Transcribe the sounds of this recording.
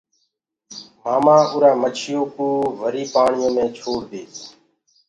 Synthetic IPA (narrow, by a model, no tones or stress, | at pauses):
maːmãːʔʊːɾaːmət͡ʃʰɪjoːkuːʋəɾiːpaːɳɪjõːmẽːt͡ʃʰoːɽd̪eː